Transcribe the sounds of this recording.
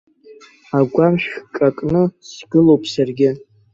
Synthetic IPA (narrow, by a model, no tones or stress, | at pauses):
aɡʷamʃχkʼakʼnɨsɡ̥ɨlowpʰʼsarɡʲɪ